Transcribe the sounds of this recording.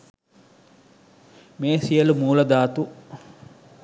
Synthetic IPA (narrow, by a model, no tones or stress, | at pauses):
meːsijəlumuːlɐd̪aːt̪u